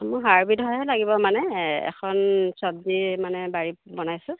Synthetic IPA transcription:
mɔjɦaɹbitɦɔjɛlaɡibɔmanɛɛ̰kʰɔnsɔb̚dimanɛbaɹibɔnajsʊ̃

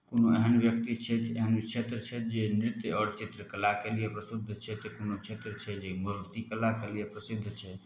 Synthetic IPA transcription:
konoeɦənbjək̚t̪it͡ʃʰɛt̪ḛɦənt͡ʃʰet̪ɾət͡ʃʰɛd͡ʒenɾit̪eɔːɾt͡ʃit̪ɾəkəlakelijepɾəsid̪ʱːt͡ʃʰɛt̪ɔkonot͡ʃʰet̪ɾət͡ʃʰɛd͡ʒeməɾuɾt̪ikəlakelijepɾəsid̪ʱːt͡ʃʰɛ

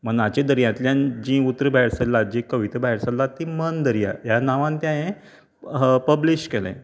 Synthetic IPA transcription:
m̤ənat͡ɕed̪əɾjãt̪ljãnd͡ʑĩut̪ɾəbʱaɦiɾsalːad͡ʑĩkəʋit̪əbaiɾsalːat̪imənd̪əɾija̰janaʋãnt̪jãẽ | pəbliɕʈkelḛ̃

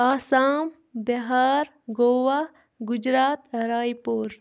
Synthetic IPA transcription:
aːsaːm | bɐɦaːɾ | ɡoːʋa | ɡʊd͡ʒɾaːt̪ɾaːjpoːɾ

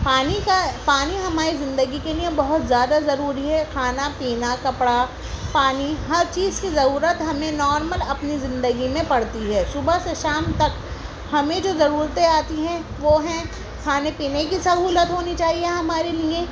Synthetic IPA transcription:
paːnikapaːniɦɐmaːɾizɪ̃nd̪əɡikeliẽbɐɦʊt̪zjaːd̪azɐɾuːɾiɦɛkʰaːnapiːnakɐpɽa | paːniɦɐɾt͡ʃiːzkizɐɾuːɾət̪ɦɐmẽnɔːɾməlɐpnizɪ̃nd̪əɡimẽpɐɽt̪iɦɛːʃʊbaseʃaːmt̪ɐk | hɐmẽd͡ʒoːzɐɾuːɾət̪ẽaːt̪iɦɛ̃ʋoɦɛ̃ | kʰaːnepiːnekisɐɦuːlət̪ɦoːnit͡ʃaːɦieɦɐmaːɾeliẽ

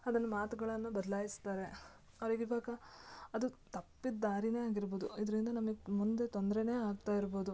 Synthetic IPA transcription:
ɐd̪ɐnːɐmaːt̪uɡɐɭɐnːubɐd̪ɐlaːjist̪aːɾe̞ | ɐɾiɡibaːkɐɐd̪ut̪ɐpːid̪d̪aːɾine̞ːaːɡiɾboːd̪uid̪ɐɾind̪ɐnɐmɐɡemund̪e̞t̪ond̪ɾene̞ːaːɡ̚t̪aːjiɾbo̞ːd̪u

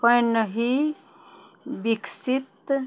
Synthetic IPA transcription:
pəjnəɦi | biksit̪

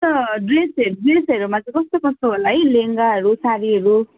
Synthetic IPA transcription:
t̪ʌɖresʌɾuɖresʌɾumat͡sʌ̃kʌst̪okʌst̪oɦolaɦʌjleŋɡaɦʌɾusaɾiɦʌɾu

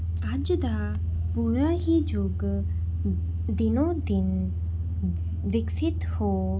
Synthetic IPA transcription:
ad͡ʒd̪a | puɾaɦid͡ʒoɡ | d̪inod̪in | ʋɪksɪt̪ho

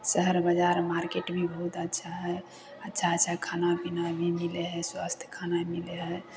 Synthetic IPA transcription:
səɦəɾbəd͡ʒaɾmaɾkeʈbʱibəɦut̪ətːʃʰaɦɛ | ətːʃʰaətːʃʰaɦkʰanabinabʱimileɦɛswast̪ʰjə̥kʰanamileɦɛ

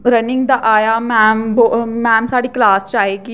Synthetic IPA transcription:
ɾəniŋɡd̪aʔajamɛmbomɛːmsaɽiklaːst͡ʃaːɦeki

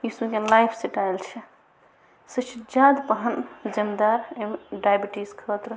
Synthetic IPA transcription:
jisukelajpʰsiʈaelt͡ʃʰɛ | sət͡ʃʰd͡ʒad̪pəɦənd͡ʒəmd̪aɾemɖajbiʈiskʰət̪ɾ

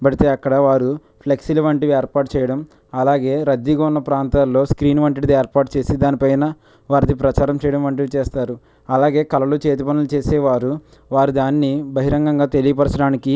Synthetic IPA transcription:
bɐɽit̪eːɐkːɐɽɐʋaːɾu | pʰleksilɐʋɐɳʈiʋieːɾpaːʈt͡ʃɛːjɐɽɐm | ɐlaːɡe̞ːɾɐd̪ːiɡɐːunːɐpɾaːnt̪aːlːo̞ːskɾiːnʋɐɳʈiɽid̪ieːɾpaːɾʈt͡ʃe̞ːsid̪aːnipɐjnɐ | ʋaːɾid̪ipɾɐt͡ʃaːɾɐmt͡ʃɛːjɐɽɐmʋɐɳʈ̬iʋit͡ʃɛːst̪aːɾu | ɐlaːɡe̞ːkɐlɐlut͡ʃeːt̪̬ipɐnulut͡ʃeːseːʋaːɾu | ʋaːɾud̪aːnːibɐɦiɾɐŋɡɐŋɡaːt̪elijɐpɐɾɐsɐɽaːniki

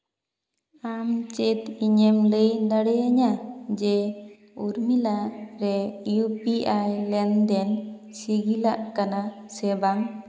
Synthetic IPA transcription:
amt͡ʃɛt̪iɲemləjd̪aɽɛjaɲad͡ʒɛ | uɾmilaɾɛjupiʔajlɛnd̪ɛn | siɡilaʔkana | sɛbaŋ

